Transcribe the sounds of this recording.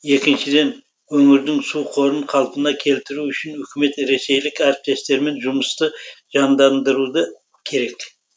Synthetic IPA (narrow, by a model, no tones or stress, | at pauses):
je̞kʲɪnʃɪd̪e̞n | wɵŋɪɾd̪ɪŋsuqʰo̞ɾəɴqʰɑlˠpənɑkʲʰe̞lt̪ɪɾuʏʃɪnʏkʲɪme̞t̪ɾe̞se̞jlɪkæɾɪp̚t̪e̞st̪e̞ɾme̞nʒʊməst̪əʒ̥ɑnd̪ɑnd̪əɾud̪ə | kʲʰe̞ɾe̞k